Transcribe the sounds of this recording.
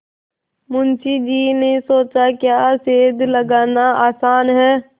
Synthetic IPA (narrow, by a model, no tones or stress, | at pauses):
mʊnt͡ʃid͡ʒiːnesoːt͡ʃakjaːseːd̪ləɡaːnaaːsaːnɦɛː